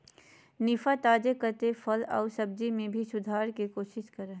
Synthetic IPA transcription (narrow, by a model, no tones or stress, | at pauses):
nɪfat̪aːd͡ʒekəɾt̪efʰəlɔ̰ːsɐb̚d͡ʒimẽbʱisʊd̪ʱaːɾkikoːʃɪʃkɐɾəɦ